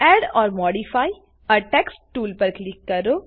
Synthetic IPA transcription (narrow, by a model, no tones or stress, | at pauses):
ɛːɖɔːɾmɔːɖifaːi | ɔɾʈɛːksʈʈuːlpɐɾklɪkːɐɾoː